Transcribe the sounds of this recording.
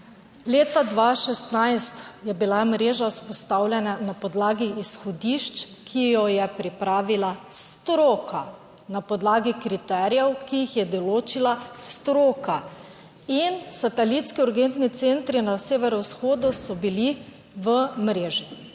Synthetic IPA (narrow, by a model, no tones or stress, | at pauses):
leːt̪ad̪ʋaːʃɛst̪najst̪jɛbilamɾeːʒaspɔst̪aːwlʲjɛnanapɔd̪laːɡiisxɔd̪iʃt͡ʃ | kʰijɔjɛpɾipɾaːʋilast̪ɾoːkʰa | napɔd̪laːɡikɾit̪ɛːɾjɛwkijixjɛd̪ɔloːt͡ʃilast̪ɾoːka | insat̪ɛlit̪skiuɾɡent̪nit̪sent̪ɾinaseːʋɛɾɔwsxoːd̪usɔbili | ʋəmɾeːʒi